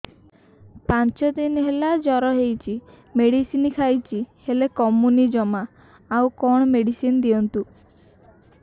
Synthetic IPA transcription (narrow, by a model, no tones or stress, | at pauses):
pant͡ʃɔd̪inɔɦelad͡ʒɔɾɔɦejt͡ʃʰi | meɽisinikʰajt͡ʃʰihelekɔmunid͡ʒɔmaː | wkɔɽ̃ɔmeɽisind̪iɔnt̪u